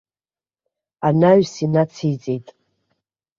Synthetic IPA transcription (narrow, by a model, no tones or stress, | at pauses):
anaɥsinat͡sʰijt͡sʼejtʼ